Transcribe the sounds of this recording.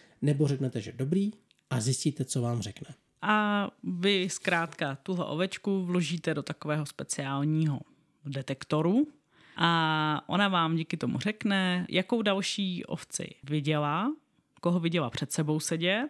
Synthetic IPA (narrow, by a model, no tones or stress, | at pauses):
nɛboɾɛknɛt̪ɛʒɛdobɾiː | ʔazɪsciːt̪ɛt͡sovaːmrɛknɛ | ʔavɪskɾaːt̪kat̪uɦlɛ̰ʔo̰vɛt͡ʃkuvlo̞ʒiːt̪ɛdo̞t̪akovɛːɦo̞spɛt͡sɪaːlɲiːɦo̰ | dɛt̪ɛkt̪o̞ɾu | ʔaʔo̰navaːmɟiːkɪt̪o̞mṵr̝ɛknɛjʔakowdalʃiːʔo̰ft͡sɪ̰vɪɟɛla | koɦovɪɟɛlapr̝̥ɛt̪sɛbo̞wsɛɟɛ